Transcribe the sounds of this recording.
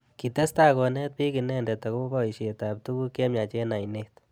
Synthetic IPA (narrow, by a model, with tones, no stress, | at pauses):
ki˨te˦sta˦kɔ˨nɛ˦t̚pi˦ki˨nɛ˦nde˨t̪a˨ko˦bɔ˦i˨ʃe˨tap̚t̪u˦ku˦ke˦mja˨t͡ʃe˦na˨jnet